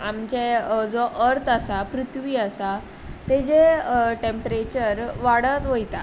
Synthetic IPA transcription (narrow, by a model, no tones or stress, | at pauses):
amt͡ɕed͡zoʔəɾt̪ʰəsapɾut̪ʰʋiːəsa | t̪ed͡ʑeʈempɾet͡ɕəɾʋaɽət̪ʋojt̪a